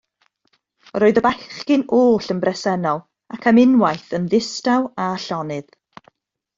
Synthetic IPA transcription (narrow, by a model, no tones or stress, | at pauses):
roːɨðəbaχkɪnoːɬənbrɛsɛnɔlˠ | akʰamɪnwajθənðɪstawaɬɔnɨð̥